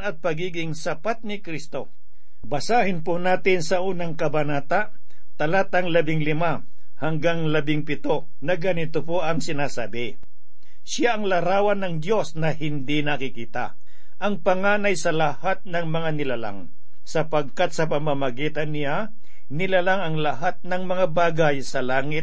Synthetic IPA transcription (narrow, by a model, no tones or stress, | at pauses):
ɐt̪̚pɐɡiːɡɪŋsɐpat̪̚nɪkɾist̪o̞ | bɐsaːhɪnponaːt̪ɪnsɐʔuːnɐŋkɐbɐnaːt̪aʔ | t̪ɐlat̪ɐŋlɐbɪŋlɪma | hɐŋɡaŋlɐbɪŋpɪt̪o̞ | nɐɡɐnɪt̪opoʔɐŋsɪnaːsaːbɪ | sɪaʔɐŋlɐɾaːwɐnːɐŋd̪jo̞snɐhɪnd̪inɐkɪkiːt̪a̰ | ʔɐŋpɐŋaːnɐjsɐlɐhat̪̚nɐŋmɐŋanɪlala̰ŋ | sɐpɐɡ̚kat̪̚sɐpɐmamɐɡiːt̪ɐnːɪja | nɪlalaŋɐŋlɐɦat̪̚nɐŋmɐŋabaːɡajsɐlaːŋɪt̪̚